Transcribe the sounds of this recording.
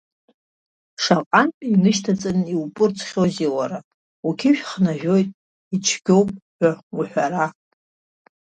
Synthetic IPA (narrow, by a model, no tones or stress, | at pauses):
ʂaqʼanpʼinɨʃtʰat͡sʼanɨiwpʼɨrt͡sʰʼχʲoziwaɾa | ukʲʰiʃᶣχnaʒᶣo̞jtʼ | it͡ʃʰɡʲo̞wpʼħʷᶣawiħʷᶣaɾa